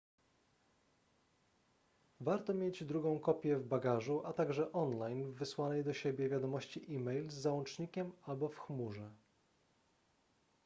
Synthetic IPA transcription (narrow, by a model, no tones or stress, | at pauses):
vaɾt̪ɔmʲjed͡ʑd̪ɾuɡɔ̃w̃kɔpʲjɛvbaɡaʐuʔat̪aɡʐɛʔɔnlajnvːɘswanɛjd̪ɔɕebʲjɛvʲjad̪ɔmɔɕt͡ɕiʔimɛjlzːawɔnt͡ʂɲikʲɛmalbɔfxmuʐɛ